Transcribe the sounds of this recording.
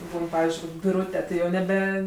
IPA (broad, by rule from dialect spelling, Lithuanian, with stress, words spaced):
ˈbuːn ˈpɑːʋʲɪzʲd͡ʒʲʊɪ koːkʲ bʲɪˈruːtʲɛ tɐɪ ˈjɛʊ nʲɛˈbʲɛ